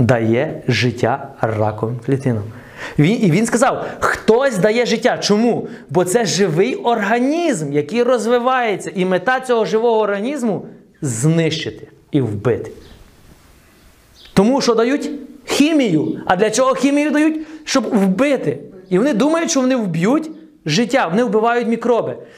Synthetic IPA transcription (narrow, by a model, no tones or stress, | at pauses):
d̪ɐjɛʒɪtʲːarɑ̰kɔʋɪmklʲit̪ɪnɔm | ʋʲiiʋʲinskɐzɑwxt̪ɔsʲd̪ɐjɛʒɪtʲːat͡ʃɔmu | bɔt̪sɛʒɪʋɪjɔrɦɐnʲizmjɐkɪjrɔzʋɪʋɑjet͡sʲːɐʔimet̪ɑt͡sʲɔɦɔʒɪʋɔɦɔːrɦɐnʲizmʊ | znɪʃt͡ʃɪt̪ɪ̥ | iwbɪ̰t̪ɪ̥ | t̪ɔmuʃt͡ʃɔd̪ɐjutʲxʲimʲijʊɐd̪lʲɐt͡ʃɔɦɔxʲimʲijʊd̪ɐjutʲʃt͡ʃɔbwbɪt̪ɪiʋɔnɪd̪umɐjʊtʲʃt͡ʃɔʋɔnɪwbʲjutʲ | ʒɪtʲːaʋɔnɪwbɪʋɑjʊtʲmʲikɾɔbɪ